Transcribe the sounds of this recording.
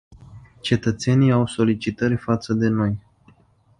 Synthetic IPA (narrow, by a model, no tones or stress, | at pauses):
t͡ʃe̞t̪ət̪se̞niawso̞lit͡ʃit̪əɾʲfat̪səd̪e̞no̞j